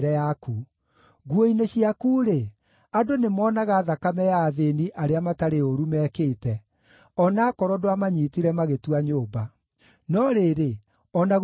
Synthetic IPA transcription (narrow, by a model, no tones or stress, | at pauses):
ɾɛjaku | ɣwoineɕiakuːɾe | adonemɔːnaɣaðakamɛjaːðeniʔaɾeamataɾeoɾumɛːkeːtɛ | ɔnaːkɔɾɔdoamaɲiːtiɾɛmaɣetuaɲoːba | nɔɾeɾe | ɔnaɣ